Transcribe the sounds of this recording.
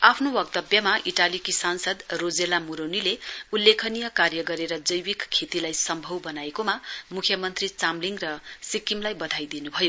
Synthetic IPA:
apʰnowʌkt̪ʌbjʌmaʔiʈalikisansʌd̪rod͡zelamuɾonileulːekʰʌnijʌkarjʌɡʌɾeɾʌd͡zʌjwikkʰːet̪ilajsʌmbʱʌwbʌnaekomamukʰjʌmʌnt̪rit͡samliŋrʌsikimlajbʌd̪ʱajd̪inubʱʌjo

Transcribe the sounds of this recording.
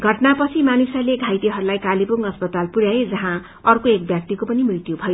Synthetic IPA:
ɡʱʌʈnapʌt͡sʰimanusaleɡʱajt̪iɦʌɾulajkalipuŋʌspʌt̪alpuɾjaed͡zʌɦã | ʌrkoek̚bjak̚t̪ikopʌnimrit̪jubʱʌjo

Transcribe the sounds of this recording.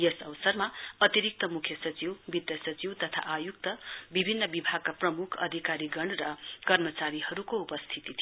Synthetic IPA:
jesʌwsʌrmaʌt̪iɾik̚t̪ʌmukʰjʌsʌt͡siwbid̪jʌsʌt͡siwt̪ʌt̪ʰa̰ʔajuk̚t̪ʌbibʱinːʌbibʱaɡ̚kaprʌmukʰʌ̰d̪ʱikaɾiɡʌɳrʌkʌrmʌt͡saɾihʌɾukoupʌst̪ʰit̪it̪ʰi

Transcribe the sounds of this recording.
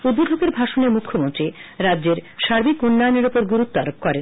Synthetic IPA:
ud̪bod̪ʱokeɾbʱaʃoneɾmukʰːomont̪ɾiɾadːd͡ʑeɾʃaɾbikunːɔjoneɾupoɾɡuɾut̪ːoaɾop̚kɔɾen

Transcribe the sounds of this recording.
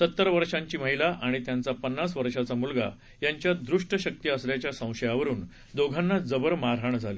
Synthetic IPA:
sət̪ːəɾʋəɾʂãɲt͡ɕiːməɦilaʔaɽ̃it̪jant͡sapənːasʋəɾʂat͡samulɡa̰ | jaɲt͡ɕjad̪ɾuʂʈəɕək̚t̪iːəsljat͡ɕjasə̃w̃ɕəjaʋəɾuːn | d̪oɡʱanːad͡zəbəɾmaɾɦaɳd͡zʱale

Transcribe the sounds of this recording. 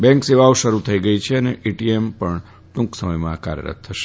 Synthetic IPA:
bɛ̃ŋkseʋaoʃəɾut̪ʰəiɡəit͡ʃʰeəneʔiʈiempəɳ | ʈ̪ũksəməjmãka̰ɾjə̰ɾə̰t̪̚ʰtʰːəʃe̥

